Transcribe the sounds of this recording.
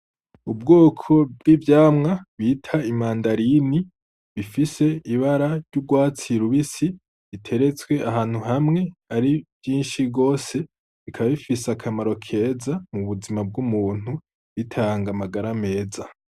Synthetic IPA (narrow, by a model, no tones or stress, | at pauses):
ubɡoːkʰo̞b̚ɡivjaːmŋaβitʰaimaːndaɾini | βifise̞iβaɾaɾɟub̚ɡwaːt͡siɾuβisi | βitʰe̞ɾe̞t͡swe̞ʔaɦaːn̥huɦamŋe̞aɾivjiːnʃiɡo̞ːse̞ | βikʰaβaβifisakʰamaɾo̞kʰe̞ːzamuβuzimab̚ɡumuːn̥hu | βitʰaːŋɡamaɡaɾame̞ːza